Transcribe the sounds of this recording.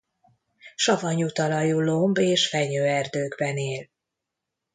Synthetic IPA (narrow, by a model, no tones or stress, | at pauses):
ʃɒvɒɲut̪ɒlɒjuloːmbeːʃfɛɲøːɛrd̪øːɡbɛneːl